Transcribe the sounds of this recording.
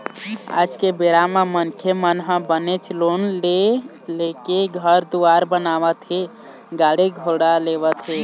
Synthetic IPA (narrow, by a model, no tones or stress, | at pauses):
a̰d͡ʒkebeɾamamənkʰemənɦə̃bənet͡ʃʰlonle | lekeɡʱəɾd̪uaɾbənaʋət̪ʰi | ɡaɽiɡʱoɽaleβət̪ʰɦi